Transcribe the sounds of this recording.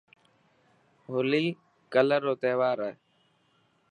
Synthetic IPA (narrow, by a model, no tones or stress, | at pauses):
ɦʊliː | kələɾːoːt̪eːʋaːɾɛ